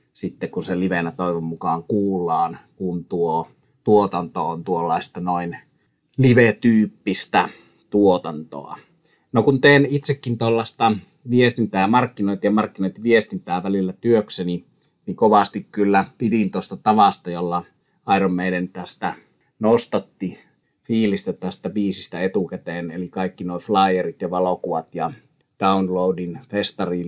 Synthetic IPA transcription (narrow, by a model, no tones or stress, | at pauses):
sit̪ːekunseliʋenæt̪oˑiʋommukɑːŋkuːlːˑɑːnkunt̪uo | t̪uot̪ɑnt̪oont̪uolːɑˑest̪ɑnoin | liʋet̪yːpːist̪æ | t̪uot̪ɑnt̪o̰ɑ̰ | nokunt̪eːnit̪sekːint̪olːɑst̪ɑ | ʋiest̪int̪æːmɑrkːinoit̪ɑjɑmɑrkːinoit̪ʋiest̪int̪æːʋælilːæt̪yøkseni | nikoʋɑst̪ikkylːæpit̪int̪ost̪ɑt̪ɑʋɑst̪ɑjolːɑ | ɑˑiɾommeˑilent̪æst̪æ | nost̪ɑt̪ːi | fiːlist̪æt̪æst̪æbiːsist̪æet̪ukæt̪eːnelikɑikːinoˑiflɑˑijerit̪jɑʋɑlokuʋɑt̪jɑ | d̥ɑunloudinfest̪ɑriːn